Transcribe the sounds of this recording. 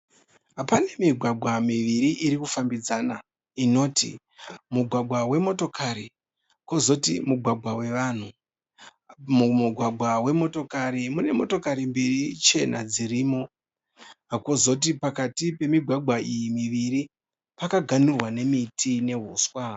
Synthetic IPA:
ɦapane̞miɡʱwaɡʱwamiʋiɾiʔiɾikufambid͡zana | ino̞ːtḭ | muɡʱwaɡʱwawe̞mo̞to̞kʰaɾi | kozo̞tḭmuɡʱwaɡʱwawe̞ʋan̤u | muuɡʱwaɡʱwawe̞mo̞to̞kaɾimune̞mo̞to̞kaɾimbirit͡ʃe̞na̰d͡ziɾiːmo̞ | akozo̞t̬ipakatipe̞miɡʱwaɡʱwaijimiʋiɾi | pakaɡʱanurwane̞mitʰine̞ɦuːswa

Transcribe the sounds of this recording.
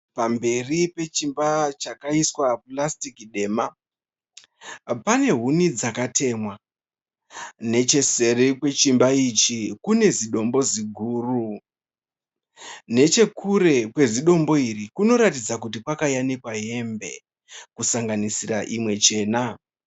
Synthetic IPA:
pambe̞ripe̞t͡ʃimbat͡ʃakaiswaplastikɗe̞ma | pane̞ɦunid͡zakatʰe̞mwa | ne̞t͡ʃe̞se̞rekwe̞t͡ʃimbait͡ʃikune̞ziɗo̞mbo̞ziɡʱuːru | ne̞t͡ʃe̞kʰuɾe̞kwe̞ziɗo̞mbo̞irikuno̞ɾatid͡zakutikwakajanikwaɦe̞mbe̞̰ | kusaŋɡanisiraʔimwe̞t͡ʃe̞ːna

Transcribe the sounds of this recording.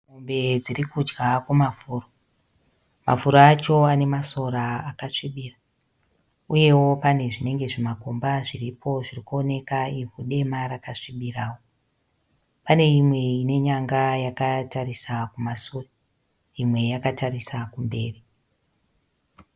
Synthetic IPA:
ombe̞d͡zirikud͡ʒɡakumafuːro | ma̰fuɾoat͡ʃo̞ane̞maso̞ɾaːkaʂiɓiːra | uje̞wo̞pane̞ʐine̞ŋɡe̞ʐimakombaʐiripʰo̞ʐirikuone̞kaivuɗe̞maɾakaʂiɓiraːwo | pane̞imwe̞ine̞ɲaŋɡajakatarisakumasura | imwe̞jakataɾisakumbe̞ːri

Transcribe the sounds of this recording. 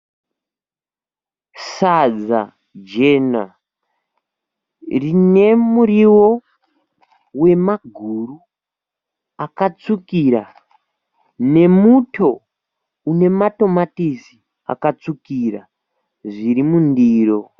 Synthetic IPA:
sad͡za̰ | d͡ʒe̞na̰ | rine̞muriwo̞ | we̞maɡʱuːru | akat͡sukiɾa | ne̞mutʰo̞ | une̞mato̞matisi | a̰kat͡sukira̰ | ʐiɾimundiːro

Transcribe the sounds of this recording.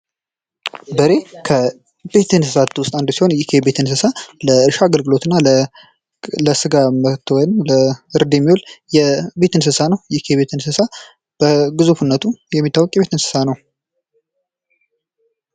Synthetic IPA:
bəɾe̞kʰə | be̞t̪ɨnsɨsat̪wʊst̪ʼand̪si̥ho̞njikʰebet̪ɨnsɨsaləɨɾʃaːɡəlɡɨlo̞t̪ɨnːal | ləsɨɡamət̪wɔjnmləɨɾd̪emːiwoljɛbe̞t̪ɨnsɨsanəwjɛkʰeβe̞t̪ɨnsɨsa | b̥əɡɨzufunːət̪ʰujɛmːit̪ʰːawːɔkʼjɛβe̞t̪ɨnsɨ̥sanəw

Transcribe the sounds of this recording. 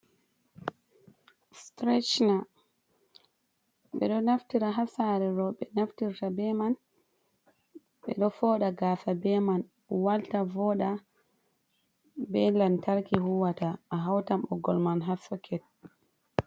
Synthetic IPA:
stɾɛt͡ʃna | ɓɛ̰ɗɔnaftiɾaɦasaɾɛɾɔɓɛnaftiɾtabɛman | ɓɛɗɔfɔːɗaɡaːsabɛman | waltavɔɗa | bɛlantaɾkihuwataːɦawtamʔɔɡɔlmanɦasɔkʰɛt̚

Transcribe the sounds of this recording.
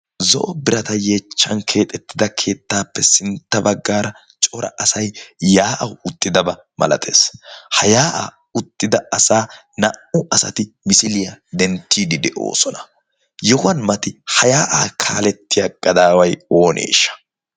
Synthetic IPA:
zɔ̰ʔɔbɪɾɐt̪ɐje̞ːt͡ʃːɐnkʰe̞ːt̪ʼɛt̪ːɪd̪ɐkʰe̞ːt̪ːaːpːɛsɪnt̪ːɐbɐɡːaːɾɐ | t͡ʃʼɔɾɐ̰ʔɐsɐjjaːʔɐwʊt̪ʼːɪd̪ɐbɐ | mɐ̰lɐ̰t̪ʰe̞̰ːshɐjaːʔa̰ | ʊt̪ːɪd̪ɐɐsaː | nɐʔʊʔɐsɐ̰t̪ɪmɪsɪlɪjɐd̪ɛnt̪ːiːd̪ɪd̪ɛʔo̞̰ːsɔnɐ̥ | jɔhʊɐnmɐt̪ɪhɐjaːʔaːkʰaːlɛt̪ːɪjɐɡɐd̪aːwɐjo̞ːnʔḛːʃːɐ̥

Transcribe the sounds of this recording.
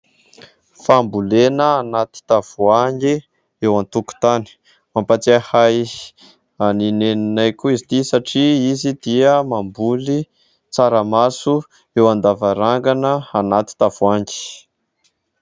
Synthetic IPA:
fambulenəanat̪i̥t̪av̥uaŋɡi | ewant̪uku̥t̪ani̥ | mampat͡sahaj | anineninajkuizit̪isaʈ͡ʂiizid̪̥iəmambuli | t͡saɾəmasu | ewand̪avaɾaŋɡanəanat̪i̥t̪avuaŋɡi̥

